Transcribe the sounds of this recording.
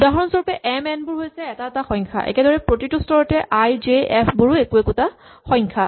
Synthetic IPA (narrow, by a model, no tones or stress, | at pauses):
daɦɔɹɔnsɔɹpɛʔɛmɛnbʊɹɦojsɛːtataxɔ̃jŋkʰa̰ʔɛ̰kɛdɔɹɛpɹotitustɔɹɔtɛʔajd͡ʒeɛpʰbuɹuekuekuta | xɔ̃jŋkʰa